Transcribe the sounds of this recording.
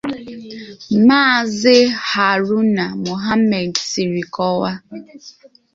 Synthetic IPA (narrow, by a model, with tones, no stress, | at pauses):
maː˦˨zɪ˦ha˨ɾʊ˦na˨mo˨ɦa˦mɛ˨dsi˨ɾi˨kɔ˦wa˦